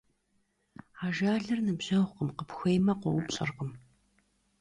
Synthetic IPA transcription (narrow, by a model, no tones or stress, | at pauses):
aːʒaːɮɐrnɨbʑ̥ɐwʁʷqəmqəpxʷejmɐqʷɔwʊpɕʼɐ̰rʁəm